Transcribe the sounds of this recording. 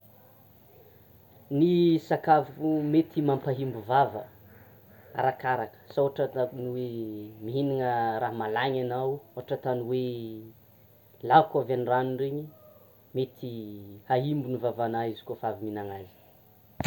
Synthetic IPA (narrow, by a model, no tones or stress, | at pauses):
nisakavumet̪ʰimampaɦimbuvavə̰ | a̰ɾakaɾakə̥saoaʈ͡ʂaaniwemiɦiniŋəɾaɦmalaɲanawoaʈ͡ʂət̪aniwe | lakavaniranuɳɖ͡ʐeɲi | met̪ʰihaɦimbunivavanaizi̥kofaviminaŋazi̥